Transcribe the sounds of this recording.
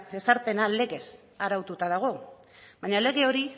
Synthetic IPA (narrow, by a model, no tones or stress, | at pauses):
e̞saɾpe̞nale̞ɣe̞s | aɾawt̪ut̪aðaɣ̞o̞ | baɲale̞ɣe̞o̞ɾi